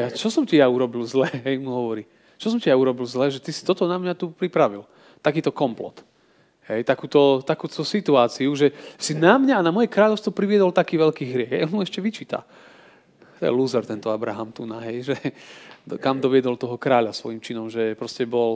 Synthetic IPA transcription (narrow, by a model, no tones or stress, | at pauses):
jat͡ʃɔsɔmcijauɾɔbilzlɛːɦɦɛjmuɦɔʋɔɾiː | t͡ʃɔs̬ɔmcijauɾɔbilzlɛːʒɛt̪isi̥t̪ɔt̪ɔnamɲat̪upɾipɾaʋil | t̪akiːt̪ɔkɔmplɔ̰t̪ | ɦɛjt̪akuːt̪ɔt̪akuːt̪ɔsit̪uaːt͡siuʒɛsinamɲaːnamɔjɛkɾaːʎɔʊst̪ʋɔpɾiʋɪɛd̪ɔlt̪akiːʋɛʎkiːɦɾɪɛɣɛ̰jɔnmuɛʃcɛʋit͡ʃiːt̪a̰ | t̪ɔjɛ̰luːzɛɾt̪ɛnt̪ɔabɾaɦamt̪unaɦɛjʒɛd̪kamd̪ɔʋɪɛd̪ɔlt̪ɔɦɔkɾaːʎasʋɔjimt͡ʃinɔmʒɛpɾɔscɛbɔl